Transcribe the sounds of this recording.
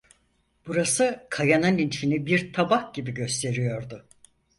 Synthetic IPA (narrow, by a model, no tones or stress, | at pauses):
b̥uɾasɯkʰajanɯninfinibiɾt̪ʰabahɟibiɟø̞st̪ʰe̞ɾijo̞ɾd̪ʊ